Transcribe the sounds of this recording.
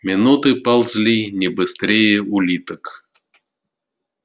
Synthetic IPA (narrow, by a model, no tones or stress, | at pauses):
mʲɪnut̪ɨpalˠzʲlʲinʲɪbɨst̪ɾʲejəʊlʲit̪ək